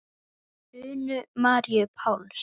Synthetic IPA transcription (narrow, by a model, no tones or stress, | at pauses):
ʏːnʏmaːɾjʏpʰaːwls